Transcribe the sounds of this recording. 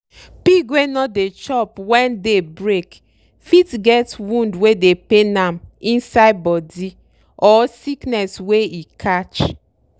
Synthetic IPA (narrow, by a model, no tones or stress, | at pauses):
pikwenɔdet͡ʃɔpwɛ̃ndebɹek | fitɡɛtwũndwedepenamĩnsaɪbɔdi | ɔsiknɛsweikʰat͡ʃ